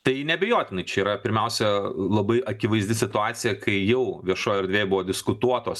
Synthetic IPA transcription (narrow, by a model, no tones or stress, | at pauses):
t̪ɐɪnʲɛbʲɛjoːt̪ʲɪnɐɪt͡ʃʲɛiːɾɐpʲɪɾʲmʲɛʊsʲɛlˠɐbɐɪʔɐkʲɪʋɐɪzʲd̪ʲɪsʲɪt̪ʊɑːt̪sʲɪjɛkʰɐɪjɛʊʋʲiɛʃoːjɛɾd̪ʲʋʲeːjbʊʋoːd̪ʲɪskʊt̪uɔt̪oːs